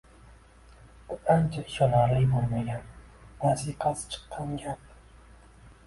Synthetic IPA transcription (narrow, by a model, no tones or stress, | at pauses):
bʊant͡ʃʰaɪʃɒlaɾlɪjbolˠmaɡʲan | vaziqʰast͡ʃʰɨ̥qʰːɑŋɡʲap